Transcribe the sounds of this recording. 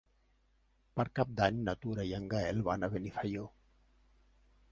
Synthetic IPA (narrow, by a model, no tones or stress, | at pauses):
paɾkap̚d̪aɲnat̪uɾajaŋɡaelβanaβenifajo